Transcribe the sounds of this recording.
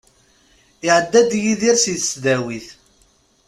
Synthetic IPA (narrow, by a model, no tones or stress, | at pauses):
ɪʕəd̪ːæd̪jiðiɾsiθə̥sd̪æwiθ